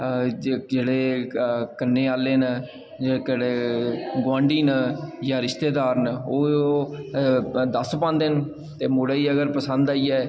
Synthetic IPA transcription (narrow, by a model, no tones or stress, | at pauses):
d͡ʒeːɽeːkənːeːaːleːn | d͡ʒeːekəɽeːɡwãːɳɖiːnjãːɾɪʃt̪eːd̪aːɾnoː | d̪əspãːnd̪ɪn | t̪eːmʊɽaːiːəɡəɾpəsə̃nd̪aːiːɛː